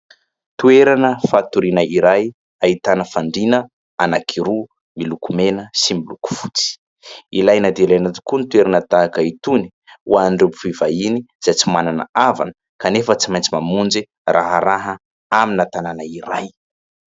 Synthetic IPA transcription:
t̪ueɾanəfat̪uɾinəiɾaj | ait̪anəfaɳɖ͡ʐinə | anakʰiɾu | milukumenəsimiluku̥fut͡si̥ | ilajnad̪elajnat̪i̥kunit̪ueɾanət̪aakəit̪uni̥uwaɳɖ͡ʐepu̥fivainiz̥ajt͡simananə̰ava̰nə | kanefət͡simajnt͡simamund͡zi | rʔaɦəɾaɦə | aminat̪ananaiɾaj

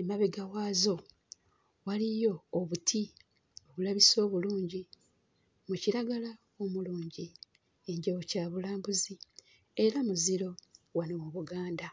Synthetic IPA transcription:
emaβeɡawaːzo̞ | walijo̞ːβutʰi | o̞βulaβiso̞ːβuluːɲɟi | muciɾaɡala | omuluːɲɟi | eɲɟawocaːβulaːmbuzi | e̞ɾamuziɾo̞wanowoβuɡaːnda

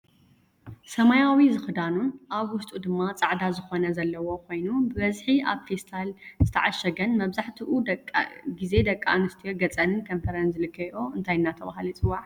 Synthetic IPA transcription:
sɐmajawizɨxɨd̪anunʔaβwʊst̪ʼud̪ɨmːat͡sʼaʕd̪azɨxo̞nɐzɐlːɐwo̞kʰo̞jnubɨβɐzħia̰βfest̪ʰalzɨt̪ʰɐʕaʃːɐɡɐnmɐβzaħt̪ʰiʔu | ɡize̞d̪ɐkʼːa̰nɨst̪ʰijoɡɐt͡sʼɐnɨnkʰɐmfʰɐɾɐnzɨlɨkʰːɐjoɨnt̪ʰajɨnːat̪ʰɐβahlit͡sʼɨwːaʕ

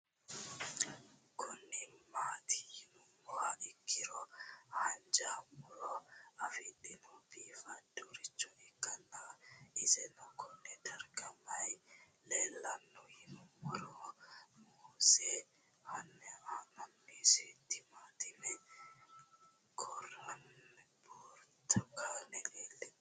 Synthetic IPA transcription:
kʰɔnːɛmaːt̪ʰɪ̥jɪnʊmɔhaʔɪkʰːɪɾɔhɐnd͡ʒaːmɔɾɔɐfɪd̪ɪnɔbiːfɐduɾɪt͡ʃːɔʔɪkːɐnːaɪsɛnɔkʰɔnːɛd̪ɐɾɡɐmɐj | leːlːɐnːɔhɪnɔmɔɾɔmuːsɛ | hɐnːɛamɐnːiːsɛt̪ːɪmaːt̪ɪmɛ | kʰɔrɐnboːɾt̪ɐkaːnɛleːlːɛ

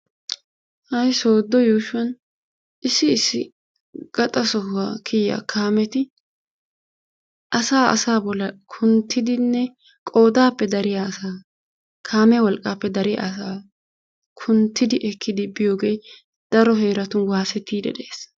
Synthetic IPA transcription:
hɐjso̞ːd̪ːɔjuːʃʊwɐn | ʔɪsːɪːsːɪ | ɡ̥ɐt̪ʼɐsɔhakʰɪjːa̰kʰaːmɛt̪ɪ | ʔɐsaːʔɐ̰saːbɔlːɐkʰʊnt̪ːɪd̪ɪnːɛ | kʼo̞ːd̪aːpːɛd̪ɐɾɪjaːsaː | kʰaːmɛwɔlkʼːaːpːɛd̪ɐɾɪja̰saː | kʰʊnt̪ːɪd̪ɪʔɛkʰːɪd̪ɪbɪjo̞ːɡej | d̪̥ɐɾɔɦe̞ːɾɐt̪ʊnwaːsɛt̪ːiːd̪ɛ̰d̪eːs

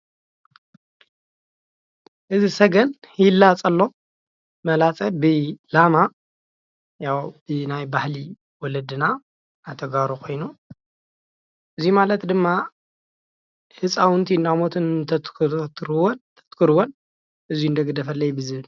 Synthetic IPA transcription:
ʔɨzisɐɡɐnhilːat͡sʼɐlːo̞ | mɐlat͡sʼɐbɨlama | jawb̥ɨnajbahli | wɔlɐd̪ɨna | at̪ʰɐɡaɾukʰo̞jnu | ʔɨzimalɐt̪d̪ɨmːa | hɨsʼawɨnt̪ʰiɨnːamot̪ʰɨnt̪ʰɐt̪t̪ʰɾɨwont̪ʰɐ̥t̪kʰɨɾɨwon | ʔɨziuɨnd̪ɐɡɐd̪ɐfɐlːɐjbɨzβɨl

